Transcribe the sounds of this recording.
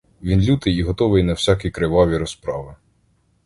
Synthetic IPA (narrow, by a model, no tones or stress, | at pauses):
ʋʲinlʲut̪ɪjiɦɔt̪ɔʋɪjnɐwsʲakʲijkɾɪʋɑʋʲiɾɔspɾɑʋɪ